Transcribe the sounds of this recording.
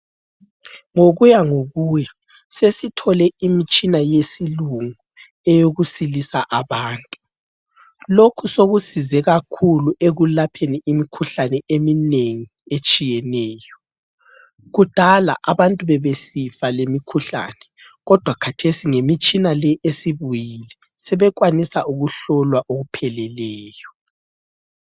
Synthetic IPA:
ŋoɣujaŋoɣuːjɛ | sesitʰɔlɛimit͡ʃʼinajesiluŋu | ɛjoɣusilisaʔaβaːntʼu | lokʰusoɣusizɛɣakʰuluʔeɣulapʰeniimikʰuɬanɛemineŋiet͡ʃʼijɛnɛːjɔ | ɣud̥ʱala̰ʔaβantʼuβɛβesifalemikʰuɬa̰ːnɛ | ɣɔd̥ʱwakʰatʰesiŋemit͡ʃʼinalɛesiβujilɛ | sɛβɛɣwanisaʔuɣuɬɔlwaʔoɣupʰɛlɛlɛːjɔ

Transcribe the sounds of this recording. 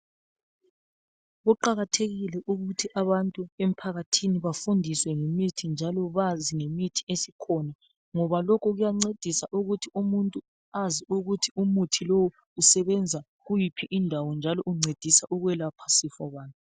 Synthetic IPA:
ɣuǃaɣatʰeɣilɛʔuɣutʰiʔaβantʼuem̩pʰaɣatʰiniβafundʱiswɛŋemitʰind͡ʒʱalɔβaziŋemitʰi̥esikʰɔna | ŋɔβalɔkʰɔɣujaŋ͡ǀed̥ʱisaʔuɣutʰiumuntʼu | aziuɣutʰiumutʰilowu | usɛβɛnd͡zʱa | ɣujipʰiʔindʱawɔnd͡ʒʱalɔʔuŋ͡ǀed̥ʱisaʔuɣwɛlapʰḁsifɔβaːnʼu

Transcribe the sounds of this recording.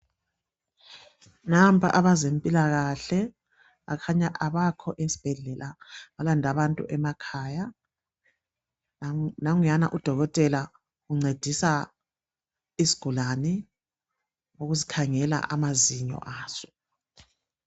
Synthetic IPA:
nampʰa̰ʔaβazempʼilaɣaɬɛ | akʰaɲaʔaβakʰɔʔesi̥b̥ʱɛɮɛlʔaβalandʱaβantʼṵʔɛmakʰaːja | naŋujana̰ʔud̥ʱɔɣɔtʼɛla | ɣuŋ͡ǀed̥ʱisa | isi̥ɡ̥ʱulanɛ | oɣuzikʰaŋɛla̰ʔamaziɲɔ̰ʔaːz̥ɔ̥

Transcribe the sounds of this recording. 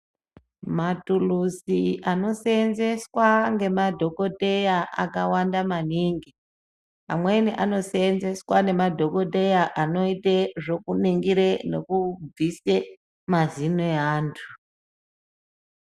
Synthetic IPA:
matulusiano̞seenze̞swaŋɡe̞madʱo̞ko̞tejaa̰kawandamaniŋɡi | a̰mwe̞niʔano̞seːnze̞swane̞madʱo̞ko̞de̞jaʔano̞iteʐo̞kuniŋɡiɾene̞̰kub͡vise | mazineaːntʰu̥

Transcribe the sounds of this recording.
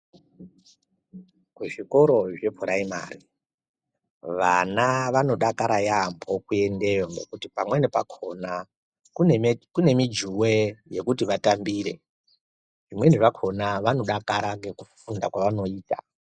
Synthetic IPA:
kuʐiko̞ɾo̞ʐe̞pʰuɾaima̰ːɾi | ʋanaʋano̞ɗakaɾajambʱokue̞nde̞jo̞ŋɡe̞̰kutipamwe̞nepakʰo̞na | kunkune̞mid͡ʒuwe̞je̞kutiʋatambiːɾe̞̰ | ʐimwe̞neʐakʰo̞naʋano̞ɗakaɾaŋɡe̞kufundakwaʋano̞iːta̰

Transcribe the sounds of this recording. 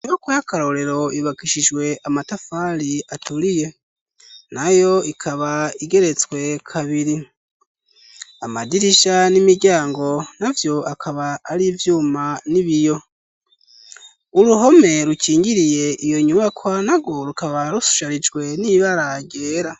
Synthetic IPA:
ɲuβakwajakaɾo̞ɾe̞ɾo̞iβakiʃid͡ʒwe̞ʔamatafaɾiatuɾije̞ | najo̞ikʰaβaiɡe̞ɾe̞t͡swe̞kʰaβiɾi | amadiɾiʃanimiɟaːŋɡo̞navjo̞akʰaβaːɾivjuːmaniβijo̞ | uɾuɦo̞me̞ɾukiːŋɡiɾije̞ʔijo̞ɲuβakʰwanaɡwo̞ɾukaβaɾusu̥ʃaɾid͡ʒɡwe̞niβaɾaɟeːɾa

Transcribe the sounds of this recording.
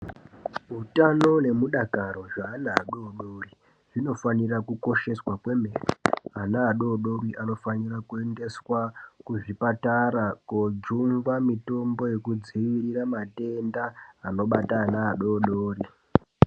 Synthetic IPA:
ɦutano̞ne̞muɗakaɾo̞ʐaːnaɦːɗoɗori | ʐ̥ino̞fanirakuko̞ʃe̞swakwe̞merḭɦanaːɗoɗoriʔano̞fanirakue̞nde̞swakuʐipataɾakod͡ʒumɡwamito̞mbo̞je̞kud͡ziʋiɾiramate̞ndaːno̞ɓataanaːɗo̞ɗoːri

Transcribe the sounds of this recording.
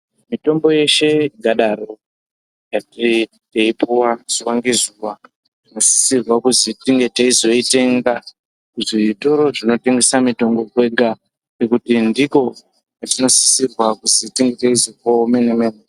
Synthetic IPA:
mito̞mbo̞je̞ʃe̞ɡʱaɗaro̞ | jati | teipuwaz̥uwaŋɡe̞zuwa | tino̞si̥sirwakuzitiŋɡe̞teizo̞ite̞ŋɡa | ʐito̞ɾo̞ʐino̞te̞ŋɡe̞samito̞ŋɡo̞kwe̞ɡʱa | nekutindiko̞ | katino̞si̥sirwakuzitiŋɡeteizokome̞nemene

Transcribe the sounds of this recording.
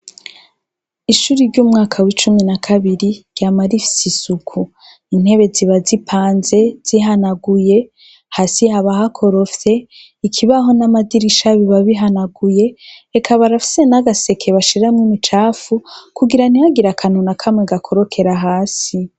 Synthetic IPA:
iʃuɾiɾɟumŋaːkʰawit͡ʃuminakʰaβiɾiɾɟamaɾifi̥sisukʰu | in̥he̞βe̞ziβazipʰaːnze̞z̥iɦanaɡuje̞ | haːsihaβaɦakʰo̞ɾo̞fte̞ | ikʰiβaɦo̞namadiɾiʃaβiβaβiɦanaɡuje̞ːkʰaβaɾafi̥se̞naɡase̞kʰe̞βaʃiɾamŋimit͡ʃaːfukuɡiɾaniaɡiɾakʰanunakʰamŋeɡakʰoɾokʰe̞ɾaɦaːsi

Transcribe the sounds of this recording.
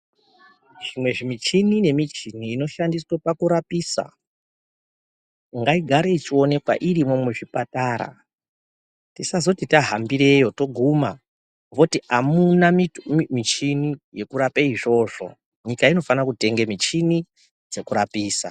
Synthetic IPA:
ʐ̥imwe̞ʐimit͡ʃinine̞mit͡ʃiniːno̞ʃandiswopakuɾapiːsa̰ | ŋɡaiɡʱaɾeit͡ʃio̞ne̞kwa̰ʔirimo̞muʐipataɾa̰ | tisazo̞titaɦambiɾe̞jo̞to̞ɡʱuma | mbo̞tiamunamimit͡ʃinije̞kuɾapeiʐo̞ːʐo̞̰ | ɲikaino̞fanakute̞ŋɡe̞mit͡ʃini | d͡ze̞kuɾapiːsa̰

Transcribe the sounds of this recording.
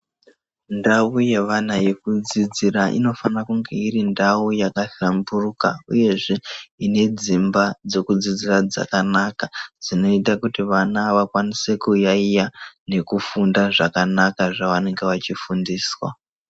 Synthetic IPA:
ndauje̞ʋanaje̞kud͡zid͡ziraʔḭno̞fanakuŋɡe̞irindawujakaɬamburuka̰ṵje̞ʐe̞ine̞d͡zimbad͡zo̞kud͡zid͡zirad͡za̰kanakad͡zino̞itakutiʋanaʋakwanise̞kujaijane̞kufundaʐakanakaʐaʋane̞ŋɡe̞ʋat͡ʃifundiːswa̰

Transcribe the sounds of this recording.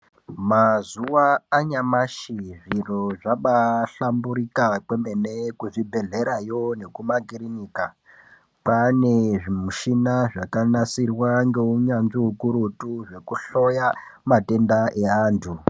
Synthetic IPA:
mazuwaːɲamaʃiʐiroʐaɓaɬambuɾikakwe̞menekuʐibʱe̞ɮe̞ɾajo̞ne̞kumaɡirinika | paneʐimuʃinaʐakanasirwaŋɡe̞uɲanʐiukuɾutuʐe̞kuɬo̞jamate̞ndaʔe̞aːntʰu

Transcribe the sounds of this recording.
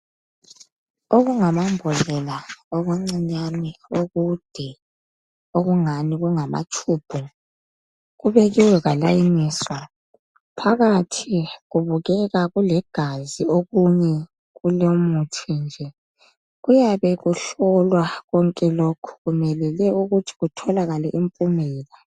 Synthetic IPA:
oɣuŋamambʱɔlɛlaɔɣeŋ͡ǀiɲanioɣud̥ʱɛ | oɣuŋaniɣuŋama̰t͡ʃʼʰuːb̥ʱu | ɣuβɛɣiwɛɣalajiniːswa | pʰaɣatʰiɣuβuɣɛɣaɣulɛɡ̥ʱazioɣuɲɛ | ɣulomutʰind͡ʒʱɛ | ɣujaβɛɣuɬɔlwaɣɔŋkʼɛlokʰu̥ɣumɛlɛlɛuɣutʰi̥ɣutʰɔlaɣalɛʔimpʼumɛːla

